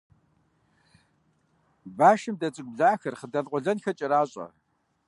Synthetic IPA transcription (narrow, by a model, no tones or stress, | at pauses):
baːʃɨmdɐt͡sʼɨkʷʊbɮaːxɐrχədɐðqʷʼɔɮɐnxɐt͡ʃʼɪɾaːɕʼɐ̰